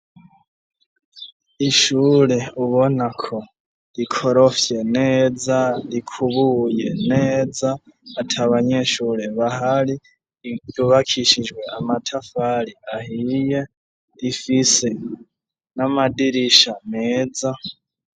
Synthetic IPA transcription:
iʃuːɾe̞uβo̞nakʰo̞ | ɾikʰo̞ɾo̞fje̞neːzaɾikʰuβuːje̞neːd͡zaːtʰaβaɲeʃuːɾeβahaɾi | juβakʰiʃid͡ʒɡwe̞amatʰafaɾiahije̞ | ɾifise̞ | namadiɾiʃameːd͡za

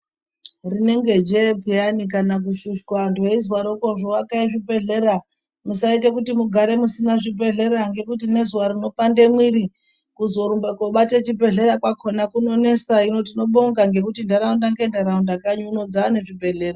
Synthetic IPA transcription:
rine̞ŋɡe̞d͡ʒepijanikanak̬uʃuʃkwantueizwaɾokoʐowakaiʐibʱe̞ɮe̞ɾa | musaitekutimuɡʱaɾe̞musinaʐibe̞ɮe̞ɾaŋɡe̞kut̬ine̞zwaɾino̞pande̞mwiɾi | kuzo̞ɾumbekoɓatet͡ʃibʱe̞ɮe̞ɾakwakʰonakuno̞ne̞saino̞tino̞ɓo̞ŋɡaŋɡe̞kutindaɾaundaŋɡe̞ndaɾaundakaɲuuno̞d͡zane̞ʐibʱe̞ɮe̞ːra

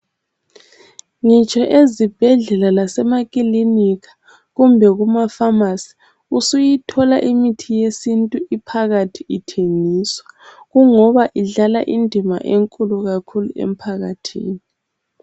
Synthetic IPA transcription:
ŋit͡ʃʰʼɔʔezib̥ʱɛɮɛlalasɛmakʼilinikʰḁ | ɣumbʱɛɣumafamasi̥ | usujitʰɔlaʔimitʰijesintʼuipʰaɣatʰiitʰeŋiswaɣuŋɔβaʔiɮala̰ʔindʱima̰ʔeŋkʼuluɣakʰulṵḛm̩pʰaɣatʰḭːni

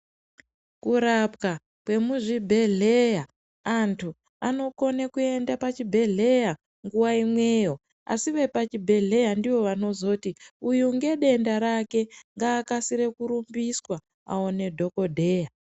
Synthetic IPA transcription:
kuɾap̚ka | kwe̞muʐibʱe̞ɮe̞ja | antʰu | ano̞ko̞nekue̞ndapat͡ʃibʱe̞ɮe̞ja | ŋɡuwaimwe̞ːjo̞ | a̰siʋe̞pat͡ʃibʱe̞ɮe̞jandiʋo̞ʋano̞zo̞ːtiujuŋɡe̞ɗe̞ndaɾake̞ŋɡaːkasiɾe̞kuɾumbiswa | a̰one̞dʱo̞ko̞dʱe̞ːja

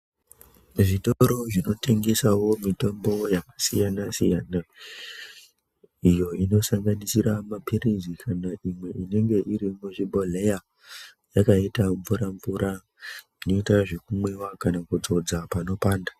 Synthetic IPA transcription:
ʐitoɾo̞ʐino̞te̞ŋɡe̞sawo̞mito̞mbo̞jakḁsijanasijana | ijo̞ino̞saŋɡanisiɾamapiɾizikʰanaʔimwe̞ʔine̞ŋɡe̞ʔiɾimuʐibʱole̞ja | jakaitaɱvuɾaɱvuɾa | inoitaʐe̞kumwe̞wakanakud͡zo̞d͡zapano̞paːnda

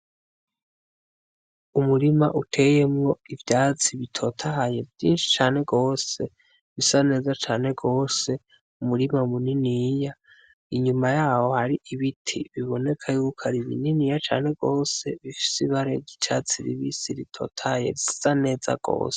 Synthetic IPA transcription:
umuɾimaʔutʰe̞je̞mŋo̞ivjaːt͡siβitʰo̞tʰahaje̞vjiːnʃi̥t͡ʃaːne̞ɡo̞ːse̞ | βisane̞ːzat͡ʃaːne̞ɡo̞ːse | umuɾimaumuninija | iɲumajaːho̞haɾiʔiβitʰiβiβo̞ne̞kʰajuukʰaɾiβḭninijat͡ʃa̰ːne̞ɡo̞ːse̞βifi̥siβaɾeɟit͡ʃat͡siɾḭβisiɾitʰo̞̰ːtʰahaje̞̰ɾisane̞ːza̰ɡ̥o̞̰ːse̥

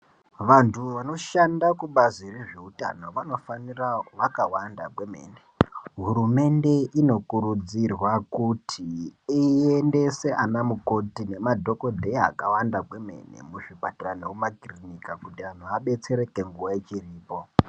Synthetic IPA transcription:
ʋantʰuʋano̞ʃandakuɓazireʐe̞uta̰no̞ʋano̞faniraʋakawandakweme̞̰ːneɦuɾume̞nde̞ʔino̞kuɾud͡zirwakutʰiː | ende̞se̞anamuko̞tine̞madʱo̞ko̞dʱea̰kawandakwe̞me̞̰nḛmuʐipatiranoumakrinikakutiʋan̤uʋaɓe̞t͡se̞ɾe̞ke̞ŋɡuʋajet͡ʃiriːpo̞

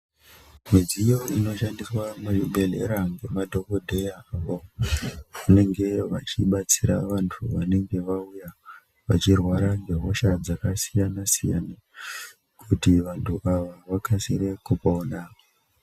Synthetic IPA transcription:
mid͡zijo̞ino̞ʃandiswamaruɓe̞lḛɾaŋɡemadʱo̞kodʱejaaʋo | une̞ŋɡe̞ʋa̰t͡ʃiɓat͡siɾaʋantʰuʋane̞ŋɡe̞ʋauja | ʋat͡ʃirwaɾaŋɡe̞ɦo̞ʃad͡zakasijanasija̰na | kʰutiʋantʰuʔaʋaʋakʰasiɾe̞kupaːna

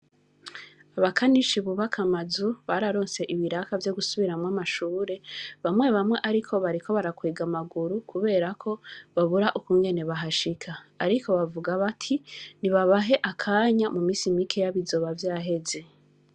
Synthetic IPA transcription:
aβakʰaniʃiβuβakʰamazuβaɾaɾo̞ːnse̞ʔiβiɾakavjo̞ɡusuβiɾamŋamaʃuːɾe̞βamŋwe̞βamŋe̞ʔaɾikʰo̞βaɾikʰo̞βaɾakweːɡamaɡuɾukʰuβe̞ːɾakʰo̞βaβuɾaʔukuŋɡe̞ne̞βaɦaʃikʰaːɾikʰo̞βavuɡaβatʰiniβaβaɦe̞ʔakʰaːɲamumiːsimikʰe̞jaβizo̞βavjaːɦe̞ze̞

